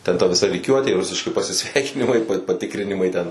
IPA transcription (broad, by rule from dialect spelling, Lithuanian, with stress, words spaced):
tʲɛn tɐ ʋʲɪˈsɐ rʲiːˈkʲuɔtʲeː ˈrʊsʲɪʃʲkʲɪ pɐsʲɪˈsʲʋʲɛɪkʲɪnʲɪmɐɪ pɐˈtʲɪkrʲɪnʲɪmɐɪ tʲɛn